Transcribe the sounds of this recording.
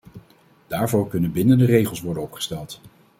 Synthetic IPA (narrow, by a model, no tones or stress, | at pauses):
d̥aːɹvoːɹkɵnənbɪnəndərejχəlˠsʋɔɹdənɔpχə̥stɛlˠt